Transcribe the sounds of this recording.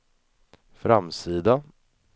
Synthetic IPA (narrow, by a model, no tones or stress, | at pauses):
fɾamsiːd̪a